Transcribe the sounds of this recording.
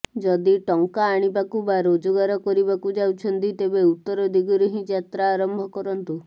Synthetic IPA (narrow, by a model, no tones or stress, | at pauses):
d͡ʒɔd̪iʈɔŋkaːɽ̃ibakubaɾod͡ʒuɡaɾɔkɔɾibakud͡ʒawt͡ʃʰɔnt̪it̪ebeut̪ːɔɾɔd̪ʱiɡɔɾeɦĩd͡ʒat̪ɾaːɾɔmbʱɔkɔɾɔnt̪u